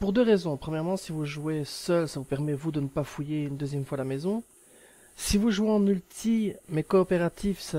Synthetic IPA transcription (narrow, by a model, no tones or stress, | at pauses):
puʁd̪øʁezɔ̃pχəmjɛʁmɑ̃sivuʒuwesœlsavupɛʁmɛvud̪ənəpafujeynd̪øzjɛmfwalamɛzɔ̃ | sivuʒweɑ̃nylt̪ʰimɛkɔːpeʁat̪ifsa